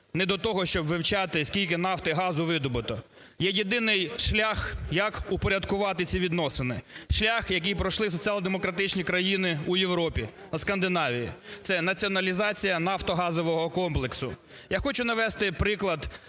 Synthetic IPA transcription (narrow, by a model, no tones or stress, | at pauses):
nɛd̪ɔt̪ɔɦɔʃt͡ʃɔbʋɪwt͡ʃɑt̪ɪskʲilʲkɪnɑft̪ɪɦɑzʊʋɪd̪ɔbɪt̪ɔ | jɛjid̪ɪnɪjʃlʲaxjɐkupɔɾʲɐd̪kʊʋɑt̪ɪt͡sʲiʋʲid̪nɔsɪnɪʃlʲaxjɐk̬ɪjpɾɔʃlˠɪsɔt͡sʲialˠd̪emɔkɾɐt̪ɪt͡ʃnʲikɾɐjinɪujewɾɔpʲi | skɐnd̪ɪnɑʋʲijḭt̪sɛnɐt͡sʲiɔnɐlʲizɑt͡sʲijɐnɑft̪ɔɦɑzɔʋɔɦɔkɔmplˠeksʊ̰ | jaxɔt͡ʃʊnɐʋɛst̪ɪpɾɪklˠɐd̪